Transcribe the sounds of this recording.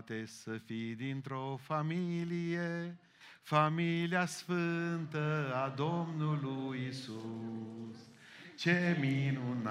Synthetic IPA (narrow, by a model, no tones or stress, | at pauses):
t̪e̞səfid̪int̪ɾo̞familije | familiasfɨnt̪əad̪o̞mnulujisu | s | t͡ʃe̞minun